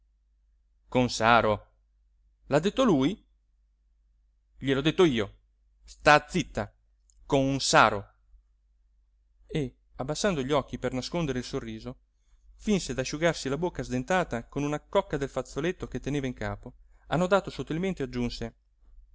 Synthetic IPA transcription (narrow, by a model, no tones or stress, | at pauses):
konsaːɾo | lad̪ːet̪ːoluːj | ʎelɔd̪et̪ːoiːo | st̪aːd̪zːit̪ːa | konunsaːɾo | e | abːasːand̪oʎiɔkːipernaskond̪eɾeilsorːiːzo | finsed̪aʃːuɡarsilabokːazd̪ent̪aːt̪akonunakːɔkːad̪elfat̪sːolet̪ːoket̪ːeneːvaiŋka̰ːpoanːod̪aːt̪osot̪ːilment̪ead͡ʒːunse